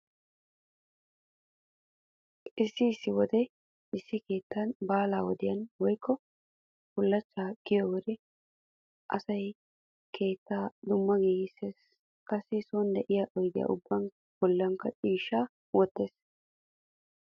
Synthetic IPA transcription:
ʔɪsːɪːsːɪwɔd̪ɛ | ɪsːɪke̞ːt̪ʰːɐnbaːlaːwɔd̪ɪjɐnwɔjkːɔ | kʊlːɐt͡ʃːaːɡ̥ɪjɔwɔd̪ɛ | ʔɐ̰sɐj | kʰe̞ːt̪ːaːd̪ʊmːɐɡiːɡɪseːs | kɐsːɪsoːnd̪ɛʔɪjaːʔɔjɡɪja̰ʔʊbːɐn | b̥ɔlːɐŋkɐt͡ʃʼiːʃːaː | wɔt̪ːeːs

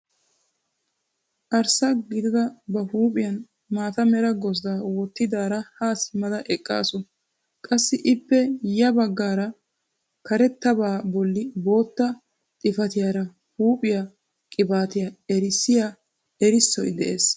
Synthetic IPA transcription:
ʔɐɾsɐɡɪd̪ɪd̪ɐbɐhuːpʼɪjɐn | maːt̪ɐmɛɾɐɡɔsd̪awɔt̪ːɪd̪aːɾɐhaːsmɐd̪ɐʔɛkʼːa̰ːsʊ | kʼɐsːɪʔɪpːɛjɐbɐɡːaːɾɐ | kɐɾɛt̪ːɐbaːbɔlːɪbo̞ːt̪ːɐ | t̪ʼɪfɐt̪ɪjaːɾɐ | huːpʼɪjɐ | kʼɪbaːt̪ɪjɐɛɾɪsːɪja | ɛɾɪsːɔjd̪ɛ̰ʔḛːs

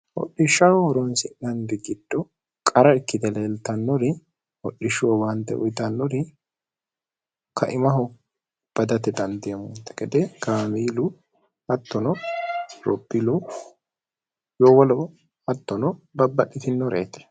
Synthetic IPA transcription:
ʔɔ̰ɗːɪʃːɐnɔɔɾɔnsɪnɐŋɡɛɡɪd̪ːɔ | kʼɐɾɐɪkːɪd̪ɛleːlt̪ɐnːɔɾɪ | hɔɗɪʃʊwɔwant̪ːɛ̰ʔɔ̰jt̪ɐnːɔɾɪ | kʰɐʔɪmɐɦʊ | b̥ɐd̪ɐt̪ɛd̪ɐnd̪ɪjɐmʊnt̪ːɛ̥kɛd̪ɛkaːmiːlʊ | ɐt̪ːɔnɔɾɔ̰pʼːilʊ | joːwɐlɔ | ɐt̪ːɔnɔbɐbːɐɗːɪt̪ɪnːɔɾḛːt̪ɛ̥

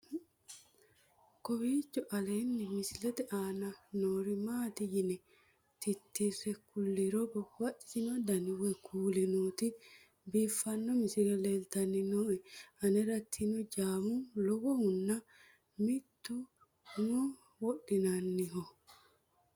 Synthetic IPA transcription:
kɔbiːt͡ʃːɔʔɐleːnːɪmɪsɪlɛt̪ɛʔaːnɐnoːɾɪmaːt̪ɪjɪnɛ | t̪ɪt̪ːisɛkʊlːɪɾɔbɔwɐʔɪ̥sɪnɔd̪ɐnɪwɛkʰuːlɛnuːt̪ɪ | biːfːɐnːɔmɪsɪlɛleːlt̪ɐnːɪnoɛɐnɛɾɐt̪ʰːinʊd͡ʒaːmʊlɔɡɔhʊnːɐ | mɪt̪ːʊ | hʊmɔ | wɔɗɪnɐnːɪɦɔ

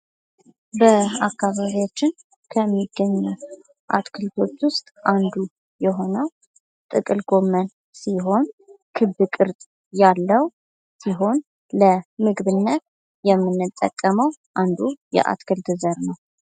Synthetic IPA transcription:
bəakːaβaβijat͡ʃːɪn | kʰəmːiɡːəɲːuw | ʔa̰t̪kʰɨlt̪ʰo̞t͡ʃːwʊst̪ʼʔand̪u | jɛɦo̞nəw | t̪ʼɨkʼɨlɡo̞mːən | siɦo̞nkʰɨβɨkʼɨɾt̪ʼ | jalːəw | siɦo̞n | ləmɨɡβɨnːət̪ | jɛmːɨnːɨt̪ʼːə̰kʼːəməwʔand̪ujɛ̰ʔa̰t̪kʰɨld̪ɨzəɾnəw

